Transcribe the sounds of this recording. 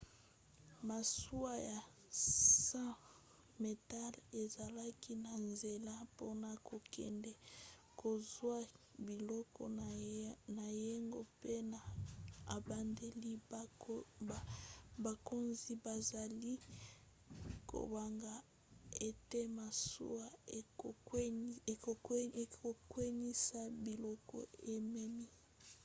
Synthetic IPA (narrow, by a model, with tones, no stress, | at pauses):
ma˨su˦a˦ja˨ | sã˦ | me˨ta˦le˨za˨la˦ki˦na˨nze˨la˦po˦na˨kʰo˨kʰɛ̰˨ndɛ˨ | kʰo˨zwa˦bi˨lɔ˦kɔ̰˨ | na˨je˦ŋɡo˦pe˦na˨a˨ba˨nde˨li˦ | ba˨ko˦nzi˦ba˨za˨li˦ | kʰo̰˨ba˨ŋɡa˨ | e˦te˦ma˨sṵ˦wa˦e˨˦˨ | o˨˦e˨o˨kwɛ˦ni˦sa˦bi˨lɔ˦kɔ̰˦˨e˦˨mɛ˦mi˦